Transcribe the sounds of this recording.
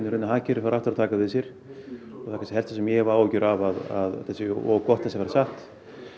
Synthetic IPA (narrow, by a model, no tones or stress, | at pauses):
nʏɾʏnaɦaːcɪɾfaɾaft̪ʏɾat̪ʰaːkavɪðsjɛɾ̥ | ɔɣθakʰansɛlt̪asɛmjɛɣvaɾoːwcʏɾavaða̰ðθɛsɪɔkɔht̪θɛsɪavɛɾasaht̪